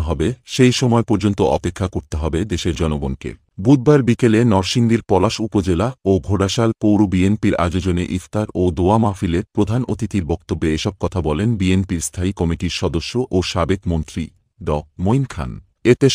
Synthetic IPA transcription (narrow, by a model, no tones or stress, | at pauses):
ɦɔbeʃejʃɔmɔepoɾd͡ʑont̪oʔɔ̰pekʰːakoɾt̪eɦɔbed̪eʃeɾd͡ʑɔnoɡonkḛ | bud̪̚baɾbikelenɔɾʃind̪iɾpɔlaʃupod͡ʑelaobʱoɖaʃalpowɾobienpiɾa̰d͡ʑod͡ʑoneʔifʰt̪aɾod̪oamafileɾpɾod̪ʱanot̪it̪iɾbɔk̚t̪obːeeʃɔb̚kɔt̪ʰabɔlenbienpiɾst̪ʰaikɔmiʈiɾʃɔd̪oʃːoʔoʃabed̪mont̪ɾi | ɖɔk̚mojnkʰa̰n | et̪e